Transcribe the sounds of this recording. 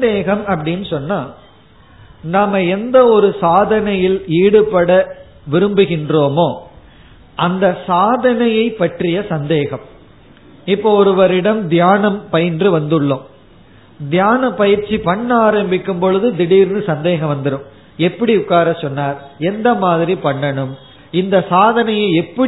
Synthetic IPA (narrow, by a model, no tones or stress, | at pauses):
d̪eːɣɐmɐpːɐɽɪnːɯsɔnːaː | naːmɐɛnd̪ɐɔɾɯsaːðɐnɐjɪliːɽɯpːɐɽɐ | ʋɪɾɯmbɯɣɪndroːmoː | ʔɐnd̪ɐsaːðɐnɐjɐɪpːɐʈrɪjɐsɐnd̪eːɣɐm | ɪpːoːɔɾɯʋɐɾɪɽɐmd̪jaːnɐmpɐjɪndrɯʋɐnd̪ɯɭːom | d̪ɪjaːnɐpːɐjɪɾt͡ʃːipɐɳːaːɾɐmbɪkːɯmpɔɻɯðɯd̪ɪɽiːɾnɯsɐnd̪eːɣɐ̃mʋɐnd̪ɐɾɯm | ɛpːɐɽiʊkːaːɾɐsɔnːaːɾɛnd̪ɐmaːðɪɾipɐɳːɐɳɯm | ɪnd̪ɐsaːðɐnɐjɐɪɛpːɐ